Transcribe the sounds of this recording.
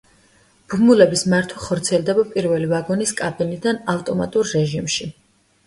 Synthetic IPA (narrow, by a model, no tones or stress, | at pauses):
b̥umulɛbismaɾt̪ʰwaχɔɾt̪sʰiɛlˠd̪ɛbapʼiɾvɛlivaɡɔniskʼabinid̪anavt̪ʼɔma̰t̪ʼuɾːɛʒimʃi